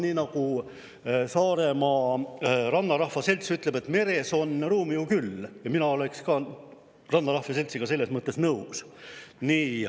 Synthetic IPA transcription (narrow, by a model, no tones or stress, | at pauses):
niːnɑku | sɑːɾe̞mɑ | rɑnːɑɾɑhfɑse̞lʲt̪syt̪ˑle̞be̞t̪ːˑme̞ɾe̞so̞nruːmijukyljɑminɑo̞le̞kskɑː | rɑnːɑɾɑhvese̞lʲt̪siɡ̥ɑse̞lːe̞smɤt̪ːˑesnɤusniː